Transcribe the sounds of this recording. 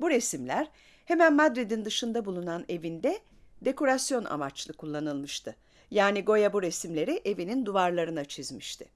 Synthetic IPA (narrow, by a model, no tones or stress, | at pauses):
buɾesimlʲæɾ̥ | he̞mænmad̪ɾid̪ind̪ɯʃɯnd̪abulˠunane̞vind̪ɛ | d̪e̞ko̞ɾasjo̞na̰mat͡ʃlˠɯkʰulˠːanɯlˠmɯʃt̪ʰɯ | jaːniɡo̞jabuɾesimlʲe̞ɾiʔe̞vinind̪uvaɾlˠaɾɯnat͡ʃʰizmiʃt̪ʰɪ̥